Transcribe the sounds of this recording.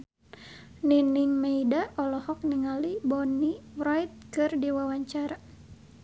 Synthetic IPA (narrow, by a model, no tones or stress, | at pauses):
niniŋmeidaɔlɔhɔk̚niŋalibɔnirɔjt̪̚kɨrdiwawaɲt͡ʃaɾa